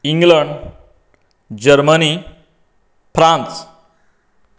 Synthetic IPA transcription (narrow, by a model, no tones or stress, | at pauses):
iŋɡləɳɖ | d͡ʑəɾməni | fɾãnt͡s